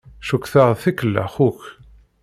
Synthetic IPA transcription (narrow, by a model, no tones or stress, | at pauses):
ʃukːθaʁθikəlːæ̰χuç